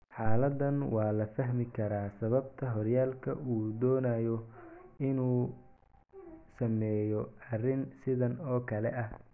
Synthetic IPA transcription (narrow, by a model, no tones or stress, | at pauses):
ħaːlɐd̪ɐnwɑːlɐfɐɦmɪkʰɐɾaːsɐβɐb̚t̪ʰɐɦɔrjaːlkʰɐ̰uːd̪ɔːnaːjɔɪnuː | sɐmɛːjɔɐrɪnsɪðɐnɔːkʰɐlɛʔɐ